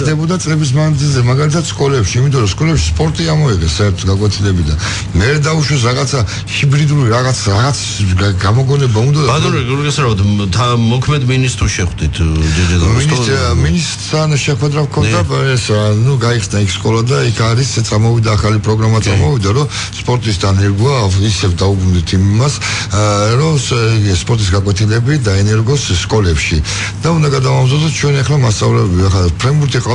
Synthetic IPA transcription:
d̪ɛbɔd̪at̪ʼlɛbis̬mand̪zilzɛmaɡalit̪ʰat̪skʼɔlɛpʃiːmit̪ʼɔɾɔskʼɔlɛpʃi̥spʼɔɾt̪ʼiamɔiʁɛsːaɛɾt̪ʰɔt̪ɡ̪akʼwɛt̪ʰilɛbid̪a | mɛɾɛd̪auʃwɛs̬ɾaʁat̪sʰa | hibɾid̪uɾiɾaʁat̪sʰɾaʁat̪sʰɡamɔɡɔnɛbaund̪aat̪uɾɡɛsaɾt̪ʰt̪ʰamɔkʰmɛd̪minist̪ʼɾuʃɛχd̪it̪ʰd̪id͡ʒɛd̪aminsminist̪ɾt̪ʰanʃɛχwɛd̪ɾafkʰɔnd̪aɛsnuɡaiχsnaikʰskʼɔlad̪aikʰaɾisɛt̪sʼamɔvid̪aːχalipʼɾɔɡɾamat̪sʼaɾmɔvid̪aɾɔ | spʼɔɾt̪ʼisd̪anɛɾɡuaisɛvd̪aubɾund̪it̪ʰimas | ɾɔsɡispʼɔɾt̪ʼis̬ɡakʼwɛt̪ʰilɛbid̪aɛnɛɾɡɔsːkʼɔlɛpʃi | d̪̥aund̪aɡad̪avamzɔd̪ɔst͡ʃʰwɛnɛχlamast̪sʼa̰vlɛbaχapʰɾɛmbuɾt̪ʰiqʼa

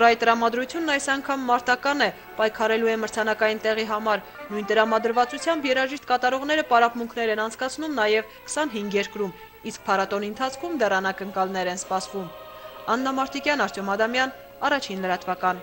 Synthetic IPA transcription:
ɔɾɑjt̪əɾɑmɑd̪ɾut͡sʰjunːɑjsɑŋkʰɑmːɑɾt̪ɑkɑnɛ | pɑjkʰɑɾɛlujɛməɾt͡sʰɑnɑkɑjint̪ɛʁiɦɑmɑɾ | nujnt̪əɾɑmɑd̪əɾvɑt͡sut͡sʰjɑmbjɛɾɑʒiʃt̪̚kɑt̪ɑɾɔʁn̪ɛɾəpɑɾɑpmuŋkʰnɛɾɛnɑnt͡sʰkɑt͡sʰnumnɑjɛv | kʰə̥sɑnɦiŋɡjɛɾkɾum | isk̚pʰɑɾɑt̪ɔniənt̪ʰɑt͡sʰkʰumd̪ɛrɑnɑkəŋkɑlnɛɾɛnspɑsvum | ɑnːɑmɑɾt̪ʰikjɑnɑɾt͡sʰjɔmɑd̪ɑmjɑn | ɑrɑt͡ʃʰinləɾɑt̪vɑkɑn

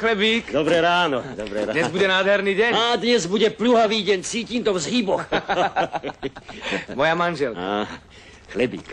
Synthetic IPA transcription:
xlɛbiːkd̪ɔbɾɛɾaːnɔbɾɲɛzbuɟɛnaːd̪ɦɛɾniːɟɛɲaːd̪ɲɛzbuɟɛpluɦaʋiːɟɛɲt͡siːciːmt̪ɔvzɦibɔx | mɔjamanʒɛlkaa | xlɛbḭːk

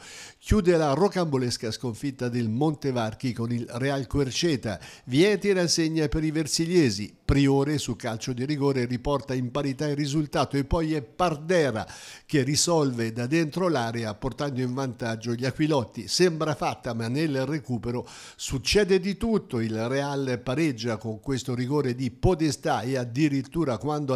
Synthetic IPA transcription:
k̟juːd̪elarokambolɛskaskoɱfit̪ːad̪elmont̪evark̟ikonilrealkwert͡ʃɛːt̪a̰vjɛːt̪enasːeɲːapeɾiversiljɛːzipɾioːɾesulkalt͡ʃod̪iɾiɡoːɾeripɔrt̪aimpaɾit̪airːizult̪aːt̪oepːɔjɛpːard̪ɛːɾa̰k̟erːisɔlved̪ad̪ent̪ɾolaːɾeaport̪and̪oiɱvant̪ad͡ʒːoʎakwilɔt̪ːisɛmbɾafat̪ːamanːelrekuːpeɾo | sut͡ʃːɛːd̪ed̪it̪ut̪ːoilrealpaɾɛd͡ʒːakoŋkwest̪oɾiɡoːɾed̪ipod̪est̪aead̪iɾit̪ːuːɾakwand̪o

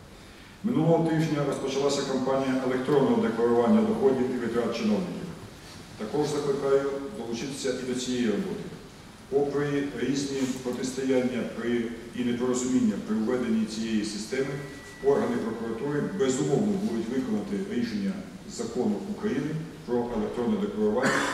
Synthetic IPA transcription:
mɪnulˠɔɦɔt̪ɪʒnʲɐɾɔspɔt͡ʃɐlˠɑsʲɐkɐmpɑnʲijɐʔelˠek̚t̪ɾɔnːɔɦɔd̪e̞klˠɐɾʊʋɑnʲːɐd̪ɔxɔdʲiwiʋɪt̪ɾɑt̪̚t͡ʃɪnɔwnʲɪkʲiw | t̪ɐkɔʒzɐklˠɪkɑjʊd̪ɔlˠʊt͡ʃɪt̪ɪ̥sʲɐʔid̪ɔt͡sʲijejirɔbɔt̪ɪ | pɔpɾɪiɾʲizʲnʲipɾɔt̪ɪst̪ɐjanʲːɐpɾɪ | inep̪ɔɾɔzʊmʲinʲːɐpɾɪwʋɛd̪e̞nʲːit͡sʲijejisɪst̪ɛmɪ | pɔrɦɐnɪpɾɔkʊɾɐt̪uɾɪbɛzʊmɔwnɔbud̪ʊtʲʋɪkɔnɐt̪ɪiʃenʲːɐ | zɐkɔnʊukɾɐjinɪpɾɔʔelˠek̚t̪ɾɔnːɛd̪eklˠɐɾʊʋɑnʲːɐ

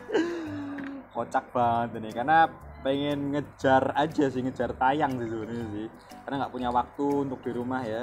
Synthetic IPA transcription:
kot͡ʃak̚b̥aŋət̪enekarnapeŋɪnŋə̥d͡ʒ̥a̤rḁd͡ʒa̤sɪhŋə̥d͡ʒ̥a̤rt̪ajaŋsɪhsuənesɪh | karnaŋɡaʔpuɲawak̚t̪uːnt̪ʊk̚d̥iɾumahja

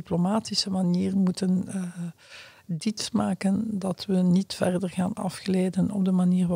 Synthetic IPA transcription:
iplomaːtisəmaniːrmutən | ditsmaːkəndɑtʋənitfɛrdərɣaːnɑ̰fxleːdənɔ̰b̚dəmaniːr

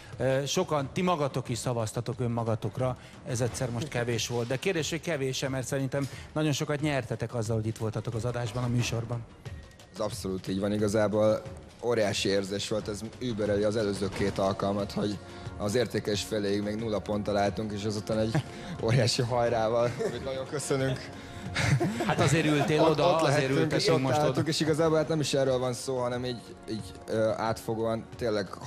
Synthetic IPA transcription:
ʃo̞kɒnt̪imɒɡɒt̪o̞kiʃsɒvɒst̪ɒt̪o̞kømːɒɡɒt̪o̞krɒ | ɛzɛt̪sɛrmo̞ʃt̪kɛveːʃʋo̞ld̪̚d̪ɛkeːrd̪eːʃho̞ckɛveːʃɛmɛrt̪sɛɾint̪ɛmnɒɟo̞nʃo̞kɒt̪ɲɛrt̪ɛt̪ɛkɒzːɒlho̞ɟit̪ʋo̞lt̪ɒt̪o̞kɒzɒd̪aːʒbɒnɒmyːʃo̞rbɒn | ɛzɒpso̞luːt̪iːɟvɒniɡɒzaːboːl | oːɾjaːʃieːrzeːʃʋo̞lt̪ɛzyːbøɾøliɒzɛløːzøːkeːt̪ɒlkɒlmɒt̪ho̞ɟ | ɒzeːrt̪eːkɛeʃfeleːjiɡmeːɡnulːɒpo̞nt̪ɒlaːlt̪uŋkeːʃɛzut̪anɛɟː | o̞̰ːɾjaːʃiɦɒjɾaːvɒlmit̪nɒɟo̞ŋkø̞sønyŋk | hat̪ɒzeːɾylt̪eːlotd̪olɛɦɛyŋkeːʃot̪olːuŋkeːʃiɡɒzaːbolhaːt̪nɛmiʃɛrːøːlvɒnsoːɦɒnɛmiːɟ | iːɟ | øa̰ːt̪fo̞ɡoːɒnt̪eːlːɛɡ

